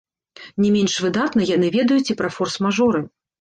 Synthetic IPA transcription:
nʲɛmʲɛnʂvɨd̪at̪nɐjanɨvʲɛd̪ɐjut͡sʲipɾɐfɔrsmaʐɔɾɨ

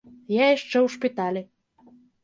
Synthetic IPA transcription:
jajaʂt͡ʂɛwʂpʲit̪alʲɪ

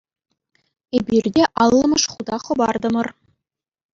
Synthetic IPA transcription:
ebʲirʲdʲeʔɑlˠːɤ̆mɤ̆ʂχud̪ɑχɤ̆bɑrd̪ɤ̆mɤ̆r

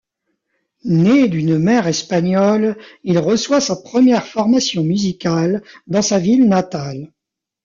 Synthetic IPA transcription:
ned̪ynmɛʁɛspaɲɔlilʁəswasapχəmjɛʁfɔʁmasjɔ̃myzikʲald̪ɑ̃savilnat̪al

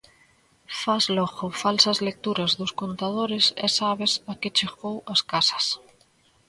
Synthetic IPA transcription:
fazlɔɣofalsɐzlek̚t̪uɾazðoskont̪að̞oɾesɛ̰saβesaket͡ʃeɣowaskasɐ̥s

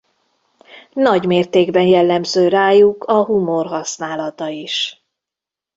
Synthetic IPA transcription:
nɒɟmeːrt̪eːɡbɛnjɛlːɛmzøːɾaːjukʰɒɦumo̞rɦɒsnaːlɒt̪ɒiʃ

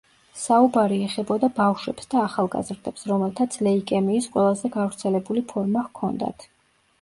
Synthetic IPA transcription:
saubaɾiɛχɛbɔd̪abafʃwɛpsd̪aːχalˠɡa̰zɾd̪ɛpsɾɔmɛlˠt̪ʰat̪sʰlɛikʼɛmiːsqʼwɛlˠazɛɡavɾt̪sʰɛlɛbulipʰɔɾmakʰɔnd̪a̰t̪ʰ

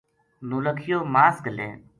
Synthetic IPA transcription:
nuːləkʰɪjoːmaːskəlḛ̃ː

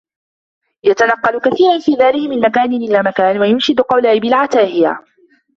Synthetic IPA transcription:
jat̪anɑqːɑlkaθiːɾɑnfiːðaːlɪkmɪnmakaːnɪnʔɪlaːmakaːnwajʊnʃɪd̪qɑwlaːʔɪbɪlʕat̪aːhɪja̰

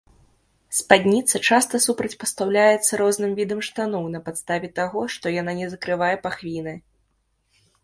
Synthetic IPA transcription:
spad̪ʲnʲit̪sɐt͡ʂast̪ɐsupɾɐt͡sʲpɐst̪awlʲajɛt̪sːɐɾɔznɨmvʲid̪ɐmʂt̪anɔnɐpat̪st̪avʲɛt̪aɣɔʂt̪ɔjan̪anʲɛzɐkɾɨvajɛpaxvʲinɨ

